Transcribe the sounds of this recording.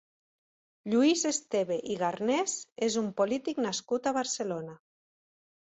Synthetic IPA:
ʎuizest̪eβeʔiɣaɾnɛzezumpolit̪iknaskut̪aβaɾselona

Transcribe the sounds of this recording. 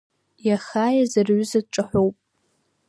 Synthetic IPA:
jaχaːjazɨrɥʊzad̚ʈ͡ʂʼɨħʷowpʼ

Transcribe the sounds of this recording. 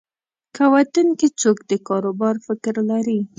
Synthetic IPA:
kawat̪unkit͡sokd̪əkɑɾobɑɾfɪkɾlaɾi

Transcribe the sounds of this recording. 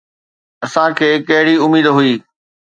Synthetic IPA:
ɐsãkʰeːkɐɦɪɽiʊmiːd̪ɦʊiː

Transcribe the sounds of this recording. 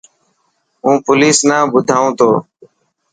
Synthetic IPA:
ũːpʊliːsnãːbʊd̪ʱaːũːt̪ʰoː

